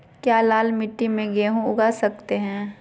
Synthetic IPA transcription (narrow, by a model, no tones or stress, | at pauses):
kjaːlaːlmɪʈːimẽɡeːɦũʊɡasɐk̚t̪eɦɛ̃ː